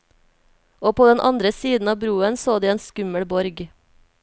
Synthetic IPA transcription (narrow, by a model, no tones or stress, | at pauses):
oːpʰoːd̪ɛnʔɑnd̪ɾəsiːd̪n̩ɑːbɾuːənsoːd̪iːeːnskʉməɽbɔɾɡ